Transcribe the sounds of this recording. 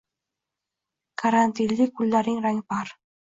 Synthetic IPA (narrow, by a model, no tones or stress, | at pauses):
kʰaɾant̪ʲilʲːikulʲːɑɾʲiŋrɑnʲpɑr